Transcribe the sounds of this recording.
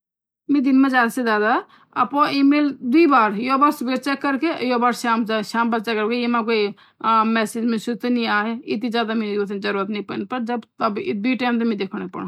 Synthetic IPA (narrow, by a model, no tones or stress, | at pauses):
mẽd̪inmẽd͡ʒaːd̪sed͡ʒaːd̪a | ɐpoʔimeːld̪uibaːɾjobaːɾsubeɾt͡ʃɛkːəɾkejobaːɾʃaːmʃaːmbət̪ːt͡ʃakəɾkeemãk̬oi | mɛːsed͡ʒmẽsut̪eniaɦeit̪̬ĩd͡ʒjaːd̪amẽt̪d͡ʒəɾuːɾət̪nĩpənpəɾd͡ʒəbt̪əbd̪uʈaːjmt̪̬emẽd̪ekʰəñek̚pə̰ɽ